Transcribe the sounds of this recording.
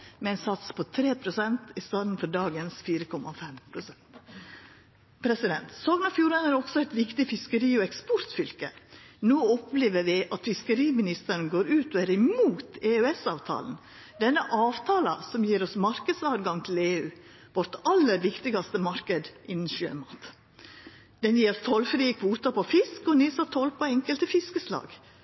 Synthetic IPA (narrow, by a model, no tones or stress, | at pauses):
mɛɛɪnsɑt̪spʰɔt̪ʰɾeːpʰɾʊsɛnt̪ɪst̪ɑːd̪n̩fɔɾɖɑːɡənsfiːɾəkʰɔmʔɑfɛmpʰɾʊsɛnt̪ | pʰɾɛsɪd̪ɛnt̪soːɡnɑːfjuːɾɛnəɾɔɡsɔæɪt̪ʋɪkt̪ɪfɪskəɾiːɔɛkspɔɾt̪fʏlkənoːɔpleːʋəɾʋɪʔɑt̪fɪskəɾiːmɪnɪst̪əɾnɡoːɾʉːt̪ɔæɾɪmuːt̪eøɛsɑ̰ːʋt̪ʰɑ̰ːln̩ | d̪ɛnːəʔɑːʋt̪ʰɑːlɑ̰sɔmjiːɾɔsmɑɾkəd̪sɑːɾɡɑŋt̪ʰɪleːʉː | ʋɔɾʈɑlːəɾʋɪkt̪ɪɡɑst̪əmɑɾkəd̪ʔɪnːn̩ʃø̰ːmɑ̰ːt̪ | d̪̥ɛnjiːɾɔst̪ʰɔlfɾiːəkʰʋuːt̪ɑpɔfɪskɔnisɑt̪ʰɔlpɔɛŋkəlt̪əfɪskəslɑ̰ːɡ